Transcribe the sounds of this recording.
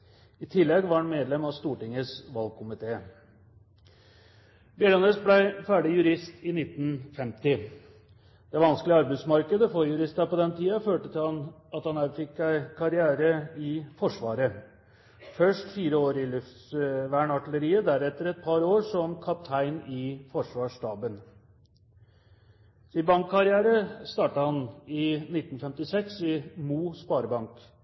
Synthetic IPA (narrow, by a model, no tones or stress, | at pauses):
ɪt̪ʰɪlːɛɡʋɑnmeːd̪lɛmɑst̪uːʈɪŋəsʋɑlɡ̚kʰʊmɪt̪ʰeː | bɛlɑnesblæɪfæːɖɪjʉɾɪst̪ɪnɪt̪ːn̩fɛmt̪ɪ | d̪̥ɛʋɑnsklɪɑɾbæɪd̪smɑɾkəd̪əfɔɾjʉɾɪst̪əɾpɔd̪ɛnt̪ʰiːɑføːʈət̪ʰɪhɑn | ɑt̪hɑnæɾfɪkːæɪkʰɑɾɪæːɾəɪfɔʂʋɑ̰ːɾə | fœʂʈfiːɾəoːɾɪlʉft̪sʋæːɳɑʈɪləɾiːəd̪æɾɛt̪ːəɾɛt̪̚pʰɑɾoːɾʂɔmkʰɑp̚t̪ʰæɪnɪfɔʂʋɑːʂʈɑːbən | sɪbɑŋkʰːɑɾɪæːɾəst̪ɑːʈəhɑnɪnɪt̪ːn̩fɛmt̪ɪsɛksɪmuːspɑːɾəbɑŋk